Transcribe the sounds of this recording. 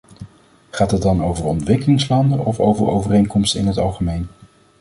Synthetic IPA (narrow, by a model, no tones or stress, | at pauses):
χaːtɦəd̚dɑnowvəɹɔntʋɪkəlɪŋslɑndəʔɔfowvəɹo̰wvərejnkɔmstəɪ̰nɦətɑlˠχəmejn